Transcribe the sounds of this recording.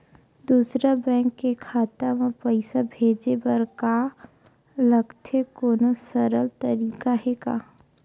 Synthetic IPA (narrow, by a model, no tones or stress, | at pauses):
d̪uːsɾabɛ̃ːŋkːekʰaːt̪amãpəɪsabʱeːd͡ʒebəɾka | ləɡt̪ekoːnosəɾəlt̪əɾiːkaɦɛkaː